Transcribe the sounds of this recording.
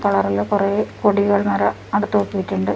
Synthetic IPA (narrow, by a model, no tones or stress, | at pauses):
t̪ɐɭɐrilokurekoɽiɣɐɭmɐɾɐ | ɐɽut̪ːuokːuʋitʲːuɳɖɨ